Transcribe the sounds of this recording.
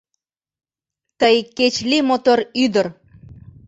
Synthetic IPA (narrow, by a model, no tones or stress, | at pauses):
t̪əjket͡ɕlimot̪oɾyd̪ə̆ɾ